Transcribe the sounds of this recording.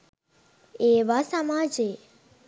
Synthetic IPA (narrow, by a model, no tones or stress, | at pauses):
eʋasəmad͡ʒe